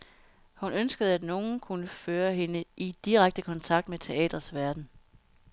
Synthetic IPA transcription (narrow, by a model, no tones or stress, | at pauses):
hunønsɡ̥əð̩ˠæd̥no̝ːn̩kʰunəføːɐɦe̝nəʔid̥iʁaɡ̥̚d̥əkʰɒ̽nt͡sʰɑ̈ɡ̥̚d̥met͡sʰe̝ɛ̰ːd̥ʁɐsʋæɐd̥n̩